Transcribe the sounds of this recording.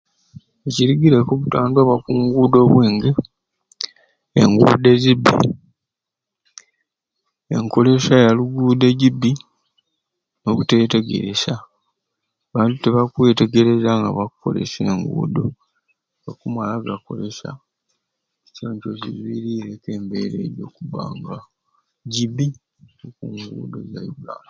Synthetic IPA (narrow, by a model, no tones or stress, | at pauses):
eciɾiɡiɾekoβutaːndaβakuːŋɡuːdo̞ːβweːŋɡi | ḛŋɡṵːde̞zibːḭ | e̞̰ŋko̞le̞ʃajaluɡuːde̞ɟibːi | no̞βute̞ːte̞ɡe̞̰ɾḛsa | βaːntute̞βakwe̞ːte̞ɡe̞ɾe̞zaŋɡa̰βakuko̞̰le̞̰seːŋɡṵːdo̞̰ | βakumalaɡako̞̰le̞sa̰ | t͡ʃoːɲcozizwiːɾiɾeke̞ːmbe̞ɾe̞̰ːɾjokuβa̰ːŋɡa | ɟibːi | okuŋɡṵːdo̞̰zajuɡa̰ːla